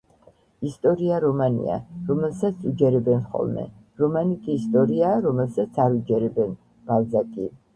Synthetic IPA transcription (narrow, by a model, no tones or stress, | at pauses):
ist̪ʼɔɾiaɾɔmanḭa̰ɾɔmɛlˠsat̪sʰud͡ʒɛɾɛbɛnχɔ̰lˠmɛ̰ | ɾɔmanikʰʼiːst̪ʼɔɾiaːɾɔmɛlsat̪sʰaɾud͡ʒɛɾɛbɛn | b̥alˠzakʼi